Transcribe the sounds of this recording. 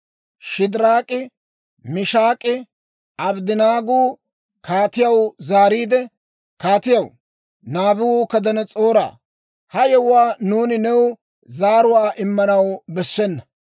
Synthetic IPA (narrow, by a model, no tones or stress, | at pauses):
ʃɪd̪ɪɾaːkʼɪ | mɪʃaːkʼɪ | ɐbd̪ɪnaːɡuː | kaːt̪ɪjɐwzaːɾiːd̪ɛ | kaːt̪ɪjɐw | naːbʊwuːkɐd̪ɐnɛt͡sʼo̞ːɾa̰ː | hɐjɛwwaːnuːnɪnɛw | zaːɾʊwaːʔɪmːɐnɐwbɛsːɛnːɐ